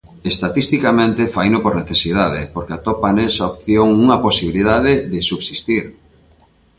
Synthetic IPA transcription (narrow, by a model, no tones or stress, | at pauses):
est̪at̪ist̪ikamẽnt̪ɪfajnʊpoɾneθesið̞aðɪ̰poɾkɪat̪opanesaopθjoŋuŋɐposiβiliðaðɪðɪsuβsist̪iɾ